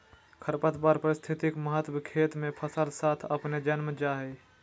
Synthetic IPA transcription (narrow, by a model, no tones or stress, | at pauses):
kʰəɾpət̪baɾpəɾɪst̪ʰɪt̪ɪkməɦət̪wəkʰeːt̪mẽpʰəsəlsaːt̪ʰəpned͡ʒənməd͡ʒaːɦɛ